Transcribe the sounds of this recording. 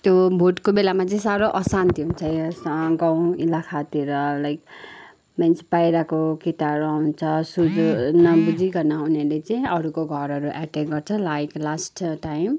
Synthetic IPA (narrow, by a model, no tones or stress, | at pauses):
t̪jobʱoʈkobelamat͡sʌĩsaɾoʔʌsant̪iɦunt͡sʰʌjsɡaw̃ilakʰat̪iɾʌlajk | manspajɾakokit̪aɾoawunt͡sʰʌsud͡zonʌbud͡ziɡʌnaɦunelet͡saĩʌɾukoɡʱʌɾʌɾuʔaʈekɡʌrt͡sʰʌlajklasʈʈajm